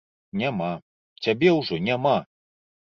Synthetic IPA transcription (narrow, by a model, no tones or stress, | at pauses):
nʲama | t͡sʲabʲɛwʐɔnʲama